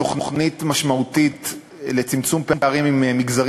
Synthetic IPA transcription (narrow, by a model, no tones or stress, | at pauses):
oχnoχnit̪maʃmaut̪it̪ | le̞t͡simt͡sumpempeaʁimimmiɡzaʁ